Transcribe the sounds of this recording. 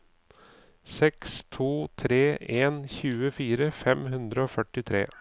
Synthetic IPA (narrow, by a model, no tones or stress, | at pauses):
sɛkst̪ʰuːt̪ʰɾeːʔeːnçʉːəfiːɾəfɛmhʉnd̪ɾəoːfœʈɪt̪ʰɾḛː